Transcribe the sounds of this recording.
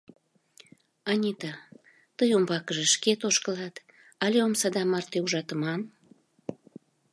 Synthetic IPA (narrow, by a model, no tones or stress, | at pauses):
ɑnʲit̪ɑ | t̪əjombɑkəʒeʃket̪oʃkəlɑt̪ | ɑlʲeomsɑd̪ɑmɑrt̪euʒɑt̪əmɑn